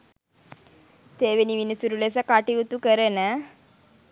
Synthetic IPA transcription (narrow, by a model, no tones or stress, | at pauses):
t̪eːʋeniʋinisuɾules̬əkaʈiut̪ukəɾənə